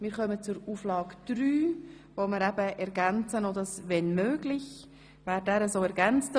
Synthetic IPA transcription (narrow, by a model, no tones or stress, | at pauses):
mɪːɾχœmət͡suɾuːflɑːɡd̥ɾyː | vomɪɾɛbəʔɛɾɡænt͡sənodɑsvɛnmøːɡlɪç | væːɾdɛːɾəsoːɛɾɡɛnt͡st